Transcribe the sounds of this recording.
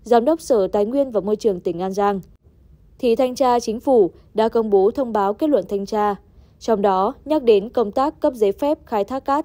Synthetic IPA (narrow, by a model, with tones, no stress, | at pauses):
zaː˨˦mɗə˦˥wk͡p̚səː˧˩t̪aː˨˦jŋwi˧ənvaː˨˩mo˧jt͡ɕɨ˨˩əŋt̪ï˧˩ŋ̟ʔaː˧nzaː˧ŋ | t̪ʰḭ˧˨t̪ʰa˧jŋ̟t͡ɕaː˧t͡ɕï˨˦ŋ̟fu˧˩ | ɗa̰ː˧˥kə˧wŋ͡mɓo˨˦t̪ʰə˧wŋ͡mɓaː˨˦wke˦˥t̚lwə̰˧˨nt̪ʰa˧jŋ̟t͡ɕaː˧ | t͡ɕɔ˧wŋ͡mɗɔ˨˦ɲa˦˥k̚ɗe˨˦nkə˧wŋ͡mt̪aː˦˥kːə˦˥p̚ze˨˦fɛ˦˥p̚xaː˧jt̪ʰaː˦˥k̚ːaː˦˥t̚